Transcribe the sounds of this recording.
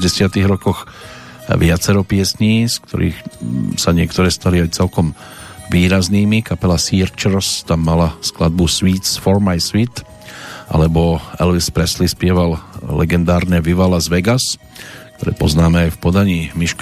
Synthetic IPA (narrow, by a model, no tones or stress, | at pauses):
ɟɛsɪat̪iɣɾɔkɔx | ʋɪat͡sɛɾɔpɪɛsɲiːskt̪ʰɔ̰ɾḭːxsaɲɪɛkt̪ɔɾɛːst̪aliajt͡sɛlkɔmʋiːɾazniːmikapɛlasiɾt͡ʃɛɾst̪amːalasklad̪̚busʋiːsfɔɾmajsʋit̪ | ʔa̰lɛbɔɛ̰lʋispɾɛslispɪɛʋallɛ̰ɡɛnd̪aːɾnɛʋiʋalazʋɛɡas | k̚t̪ɔɾɛ̰ːpɔznaːmɛajfpɔd̪aɲiːmiʃk